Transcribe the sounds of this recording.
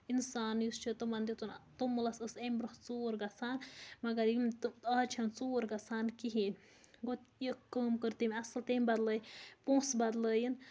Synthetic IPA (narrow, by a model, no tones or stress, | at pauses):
insaːnjust͡ʃʰit̪ɨmɐnd̪it̪unt̪umːɨlɐsəsemʲbɾɨxt͡soːɾɡɐsaːnmɐɡɐɾimt̪ɐt͡ʃʰɐnt͡soːɾɡɐsaːnkiɦin | ɡot̪jikkːəːmkəɾt̪imʲɐsɐlt̪emʲbɐd̪ləːjpõːsbɐd̪ləːjin